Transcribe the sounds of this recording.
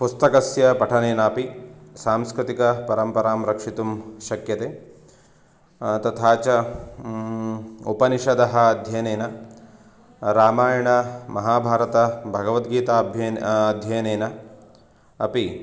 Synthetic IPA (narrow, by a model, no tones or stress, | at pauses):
pust̪ɐkɐsjɐpɐʈʰɐneːnɐːpisaːmskɾɪt̪ikɐpɐɾɐmpɐɾaːmɾɐkʂit̪umʃɐkjɐt̪eː | t̪ɐt̪ʰaːt͡ʃɐ | upɐniʃɐd̪ɐɦɐɐd̪ʱjɐjɐneːnɐ | ɾaːmaːjɐɳɐmɐɦaːbʱaːɾɐt̪ɐbʱɐɡɐʋɐt̪ɡiːt̪aːbʱjɐɐd̪ʱjɐjɐneːnɐ | ɐpi